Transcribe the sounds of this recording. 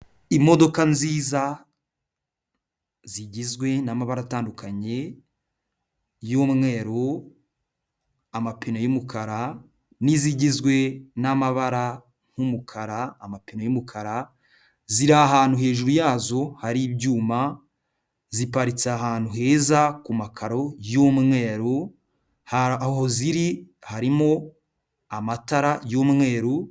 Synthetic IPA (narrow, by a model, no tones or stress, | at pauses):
imo̞do̞kanziːza | ziɟizɡwe̞namaβaɾataːndukʰaɲe̞ | joːmŋe̞ːɾo | amapʰinojumukʰaɾa | niziɟizɡwe̞namaβaɾa | ŋ̥humukʰaɾaːmapinojumukʰaɾa | ziɾaːɦaːn̥huhe̞ːʒuɾujaːzo̞haɾibɟuːma | zipaɾit͡seaɦaːn̥huɦe̞ːzakumakʰaɾo̞joːmmŋe̞ːɾu | hhoziɾi | haɾimo̞ | amataɾajoːmmwe̞ːɾu